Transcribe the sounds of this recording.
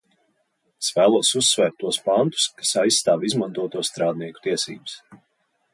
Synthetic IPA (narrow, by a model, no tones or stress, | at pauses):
esvæːlˠuɔsusːvɛːɾt̪ːuɔspant̪u̥skasajsːt̪aːvizmãnt̪uɔt̪uɔst̪ɾaːd̪niɛku̥t̪iɛsḭːbɨs